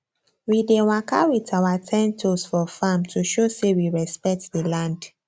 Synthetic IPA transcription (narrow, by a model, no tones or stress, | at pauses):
widew̃ãkawitʰawatʰɛ̃ntʰosfɔfamtʰuʃosewiɹɛspɛk̚tdilãnd